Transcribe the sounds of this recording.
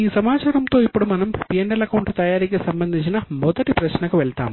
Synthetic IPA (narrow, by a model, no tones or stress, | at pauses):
iːsɐmaːt͡ʃaːɾɐmt̪o̞ːipːuɽumɐnɐmpijeɳɖɐlɐkɐwɳʈt̪ɐjaːɾikːesɐmbɐnd̪ʱiɲt͡ɕːinɐmɔd̪ɐʈipɾɐɕnɐkɐʋeɭt̪a̰ːm